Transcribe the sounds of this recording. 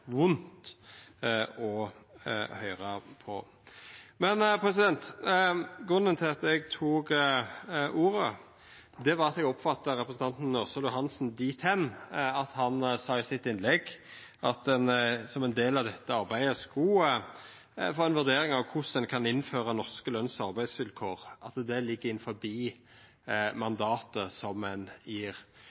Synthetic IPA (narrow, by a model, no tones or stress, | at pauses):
ʋʊnt̪ | ɔ | hœʏʁəpʰɔ̰ | mɛnpʰɾɛs̬ɪd̪ɛnt̪ | ɡɾʉnːənt̪ʰɪlɑt̪ɛɡt̪ʰuːɡ | ʔuːɾə | d̪ɛʋɑʁɑt̪ɛɡɔpfɑt̪ːəɾɛpɾəsn̩t̪ɑnt̪n̩nɔʁsəlʊɦɑnsn̩d̪iːt̪ʰɛnɑt̪hɑnsɑːɪsɪt̪ːɪnlɛɡ | ʔɑt̪̚ɛnsɔmɛnd̪eːlɑʋd̪ɛt̪ːəɑɾbæɪd̪əsku | fɔɾɛnʋʉɾd̪eːɾɪŋɑʋkʰʊsɛnkʰɑnɪnføːʁənɔʁʂkəlœnsɑɾbæɪd̪sʋɪlkʰoːʁʔɑt̪d̪ɛlɪɡːəɪnfɔbiː | mɑnd̪ɑːt̪əsɔmɛnjiːʁ